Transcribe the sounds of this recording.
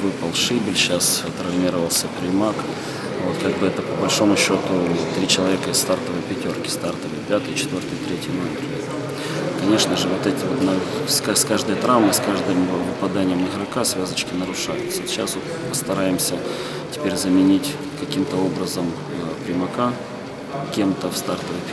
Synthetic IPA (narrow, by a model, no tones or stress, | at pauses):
vɨpəlˠʂɨbʲɪlʲɕast̪ɾɐvnʲiɾəvəlˠsʲəpɾʲɪmak | vot̪kaɡ̚bɨɛt̪əpəbɐlʲʂo̞mʊɕːo̞t̪ʊt̪ːɾʲit͡ɕɪlˠɐvʲekəɪsst̪art̪əvəjpʲɪtʲo̞rkʲɪ̥st̪art̪əvəjpʲat̪ɨjt͡ɕɪt̪vʲo̞rt̪ɨjt̪ɾʲetʲɪjnoɪmʲɾʲet̪ | kɐnʲe̞ʂnəʐɨvo̞t̪ɛtʲɪvot̪naskaskaʐd̪əjət̪ɾavmɨskaʐd̪ɨmvɨpɐd̪anʲɪjəmɪɣɾɐkasvʲazət͡ɕkʲɪnəɾʊʂa̰jʊt̪səɕa̰svot̪̚pəst̪ɐɾajɪmsʲə | tʲɪ̥pʲeɾʲzəmʲɪnʲitʲ | kɐkʲimt̪əo̞bɾəzəm | pɾʲɪmɐka | kʲe̞mt̪əfst̪art̪əvəjʲ